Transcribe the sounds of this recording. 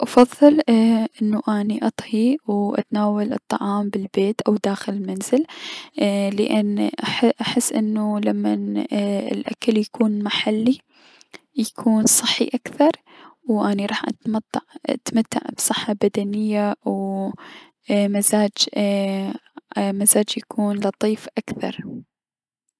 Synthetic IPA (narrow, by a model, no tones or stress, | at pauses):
ʔɑfɑðˤːɨlʔɪnːuʔaːniʔɑt̪ˤhiwʔa̰t̪naːwalʔɨ̰t̪ˤːɑʕɑːmbɪlbeːt̪ʔawd̪aːxɪlɪlmanzɪl | lɪ̰ʔanːʔaħʔaħɪsːʔɪnːulamːanɪ̰lʔakaljakʰuːnmaħalːi | jakʰuːnsˤɨħːḭʔakθɑɾˤwʔaniɾˤɑːħʔa̰t̪mt̪ːʕa̰t̪mat̪ːa̰ʕbsˤɨħːabad̪anɪjːaw | mazaːd͡ʒ | mazaːd͡ʒjakʰuːnlɑt̪ˤiːfʔakθɑ̰ɾˤ